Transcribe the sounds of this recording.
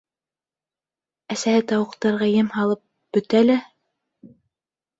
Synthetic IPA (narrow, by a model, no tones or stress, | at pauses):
æsæhɘt̪ɑwɤ̆qt̪ɑɾʁɑjɘmhɑlˠɤp̚ | b̥ɵ̆t̪ælæ